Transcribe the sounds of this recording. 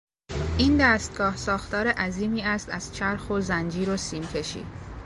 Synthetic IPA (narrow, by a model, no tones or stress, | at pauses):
ʔiːnd̪æːst̪̚ɡɒːhsɒːxt̪ɒːɾeʔæziːmiːæst̪æz̥t͡ʃʰæɾxozænd͡ʒiːɾosiːmcʲʰe̞ʃḭː